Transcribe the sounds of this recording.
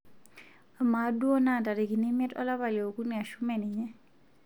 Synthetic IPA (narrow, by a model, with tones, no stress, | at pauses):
a˨ma˨˦du˦ɔ˦na˦˨ta˨ɾe˨ki˨ni˦mɛ˦tɔ̰˦la˦βa˨lo˨o˨ku˦ni˨a˨ʃu˦mɛ˨ni˨ɲɛ˦